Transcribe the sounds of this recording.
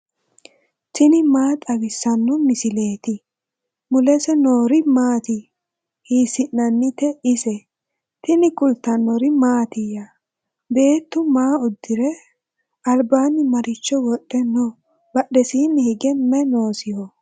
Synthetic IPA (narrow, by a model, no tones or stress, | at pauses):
t̪ɪnɪmaːt̪ʼɐɡɪsːɐnːɔmɪsɪle̞ːt̪ɪ | mʊlɛsɛnoːɾɪmaːt̪ɪ | hiːsɪnːɐnːɪt̪ɛʔɪsɛ | t̪ɪnɪkʊlt̪ːɐnːɔɾɪmaːt̪ɪjɐ | be̞ːt̪ːʊmaːʊd̪ːɪɾɛ | ɐlbaːnːɪmɐɾɪt͡ʃːɔwɔɗːɛnɔ | bɐɗɛsiːnːɪhɪɡɛmɛnoːsɪjɔ